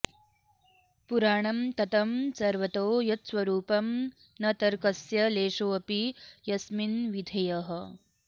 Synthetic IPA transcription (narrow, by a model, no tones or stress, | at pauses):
puɾaːɳɐmt̪ɐt̪ɐmsɐɾʋɐt̪oːjɐt̪sʋɐɾuːpɐm | nɐt̪ɐɾkɐsjɐleːʂoːɐpijɐsminʋid̪ʱɐjɐɦɐ